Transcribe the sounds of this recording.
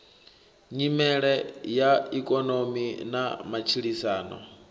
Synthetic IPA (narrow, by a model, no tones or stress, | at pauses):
ɲimɛɺɛjaikʼɔnominamat͡ʃʰiɺisaːnɔ̰